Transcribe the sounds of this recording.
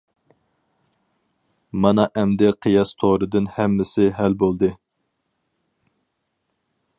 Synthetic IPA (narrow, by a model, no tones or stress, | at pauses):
mɑnɑʔɛmd̪ɛqʰɨjɑst̪ʰoɾɨd̪ɨnhɛmːɪsɪɦælbolˠd̪ɨ